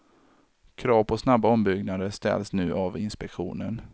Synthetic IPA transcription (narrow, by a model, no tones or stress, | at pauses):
kʰɾɑːvpʰɔsnabːaɔmbʏɡnad̪əst̪ɛ̰lsnʉ̟ːʔavɪnspɛkɧṵːnən